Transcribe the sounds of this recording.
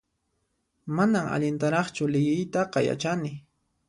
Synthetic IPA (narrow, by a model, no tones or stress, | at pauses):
manama̰ʎɪnt̪aɾɑχt͡ʃʊlɪjɪjt̪ɑqɑja̰t͡ʃanɪ